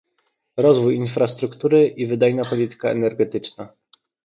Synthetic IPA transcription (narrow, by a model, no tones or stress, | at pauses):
ɾɔzvujinfɾast̪ɾukt̪uɾɘʔivɘd̪ajnapɔlʲit̪ɘ̥kaɛ̰nɛɾɡɛt̪ɘt͡ʂna